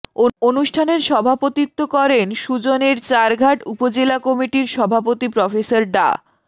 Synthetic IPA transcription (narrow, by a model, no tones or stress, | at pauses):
oonuʃʈʰaneɾʃɔbʱapot̪it̪ːokɔɾenʃud͡ʑoneɾt͡ɕaɾɡʱaʈupod͡ʑelakɔmiʈiɾʃɔbʱapot̪ipɾɔfesaɾɖa̰